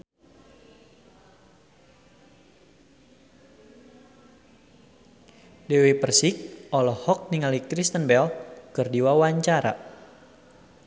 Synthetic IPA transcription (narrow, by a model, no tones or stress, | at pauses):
dɛwepərsik̚ʔɔlɔhɔk̚niŋalikɾist̪ənbɛlkɨrdiwawaɲt͡ʃaɾa̰